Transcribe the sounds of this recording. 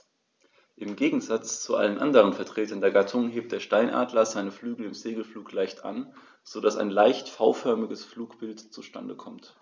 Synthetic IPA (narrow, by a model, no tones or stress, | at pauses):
ʔɪmɡeːɡŋ̩zat͡st͡suʔa̰lənʔa̰ndəʁənfɛɐtʁ̥eːtɐndeːɐɡatʰʊŋɦeːp̚t̚d̥eːɐʃtaɪnʔa̰ːdlɐzaɪnəflyːɡl̩ɪmzeːɡl̩fluːklaɪçtʔa̰n | z̥odasa̰ɪnlaɪçtfaʊfœɐmɪɡəsfluːkb̥ɪltt͡suʃta̰ndəkʰɔmt